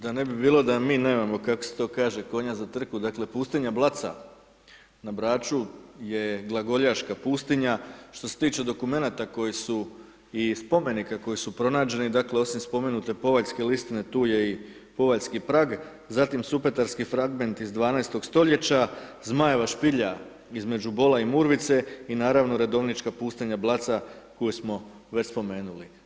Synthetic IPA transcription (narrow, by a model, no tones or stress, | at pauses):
d̪ane̞bibiːlˠo̞d̪amiːne̞ːmamo̞kakoset̪o̞ːkaːʒe̞ko̞ɲazat̪r̩kud̪akle̞puːst̪iɲablˠat̪sa̰ | nabɾaːt͡ʃuje̞ɡlˠaɡo̞ʎaʃkapuːst̪iɲaʃt̪o̞se̞̥t̪iːt͡ʃe̞d̪o̞kume̞naːt̪ako̞jisu | ispo̞me̞nikako̞jisupɾo̞naːd͡ʑe̞nid̪akle̞o̞simspo̞me̞nut̪e̞po̞ʋaʎske̞list̪ine̞t̪uːje̞i | po̞ʋaʎskipɾaːɡ | zat̪imsupe̞t̪aɾskifɾaɡme̞nt̪izd̪ʋaːnaest̪o̞ɡ̥st̪o̞ʎe̞t͡ɕazmajeʋaʃpiʎa | izme̞d͡ʑubo̞laimuːɾʋit̪se̞inaːɾaʋno̞ɾe̞d̪o̞ʋnit͡ʃkapuːst̪iɲablˠat̪sako̞jusmo̞ | ʋespo̞me̞ːnuli